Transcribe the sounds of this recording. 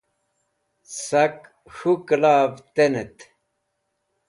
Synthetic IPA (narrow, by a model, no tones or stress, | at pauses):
sɐk | ɕuklaːvt̪enet̪